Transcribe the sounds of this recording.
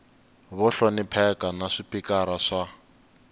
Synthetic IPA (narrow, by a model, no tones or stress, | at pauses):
βɔɬɔnipʰɛkanaʂipʰikaɾaʂa